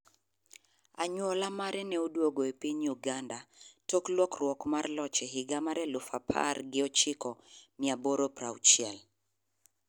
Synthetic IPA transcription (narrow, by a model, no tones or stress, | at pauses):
a̰ɲwɔlamaɾɛnɛudwoɡoepiɲuɡandatɔklwɔkɾwɔkmarlɔt͡ʃɛɦiɡamaɾɛlufapʰa̰rɡɪɔt͡ʃɪkɔmiaboɾopɾawt͡ʃjɛl